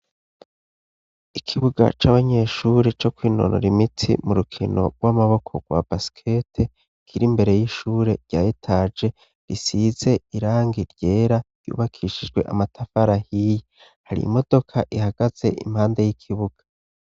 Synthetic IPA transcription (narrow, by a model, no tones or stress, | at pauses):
ikʰiβuɡa̰t͡ʃaβaɲe̞ːʃuɾe̞t͡ʃo̞kwiːno̞̰no̰ɾimitʰḭmuɾukʰinʔo̞̰ɡwamaβo̞kʰo̞ɡ̥wa̰basi̥kʰetʰe | kʰiɾimbe̞ɾe̞jiʃuːɾe̞ɾɟaːjitʰad͡ʒe̞ | ɾisize̞iɾaːŋɡiɾɟ̥e̞ːɾaɾjṵːβakʰiːʃid͡ʒɡwe̞̰ʔa̰matʰafaɾahije | haɾḭːmo̞d̥o̞kʰaʔihaɡ̥az̥e̞̰ʔḭmhaːndejikʰiβuɡ̥ḁ